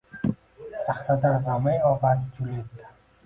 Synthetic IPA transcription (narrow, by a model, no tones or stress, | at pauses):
saχt̪ad̪aɾːamajɔvaɾ̚d͡ʒulek